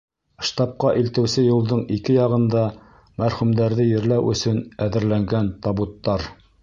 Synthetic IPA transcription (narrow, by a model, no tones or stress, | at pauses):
ʃt̪ɑp̚qɑʔilt̪ɘ̆wsɘjulˠd̪ɤɴikɘjɑʁɤ̆nd̪ɑ | mæɾχʉmd̪æɾðɘjɘ̆ɾlæwʔɵ̰̆sɵnæðɘ̆ɾlæŋɡænt̪ɑbut̪ːɑɾ